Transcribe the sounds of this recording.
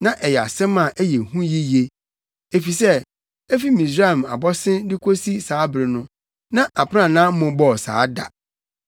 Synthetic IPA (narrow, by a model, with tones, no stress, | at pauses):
nã˦ʔɛ˨jɛ˨a̰˨sɛ̃˦mã˨ʔæ˦jɛ˨hũ˦ji˦je˦ | e˨fi˨sɛ˦ | e˦fi˦mĩ˨s̬ɾa˦˨ma̰˨bɔ˦sɪ̃˦ndɪ˦kʷʰo˦si˦saː˨˦bɾɪ˨nʊ̃˦ | nã˦ʔa˨pʰã˦˨nãː˦m̩˦mʊ̃˨bɔ˦˨sa̰ː˨˦da̰˨